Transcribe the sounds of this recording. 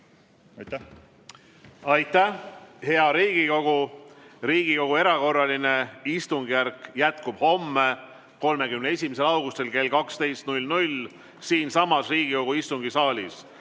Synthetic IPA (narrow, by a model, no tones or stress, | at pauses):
t̪ | ɑjt̪ˑːæhhe̞ɑɾiːɡ̥iko̞ɡ̥uɾiːɡ̥iko̞ɡ̥ue̞ɾɑko̞rːɑline̞ist̪uŋɡijærkˑjæt̪kub̥ho̞mːe̞ | ko̞lme̞kymneesʲimese̞lɑwɡ̥ust̪e̞lke̞lkɑkst̪e̞jst̪nulʲnulʲ | siːnsɑmɑsriːɡiko̞ɡ̥uist̪uŋɡ̥isɑːlʲis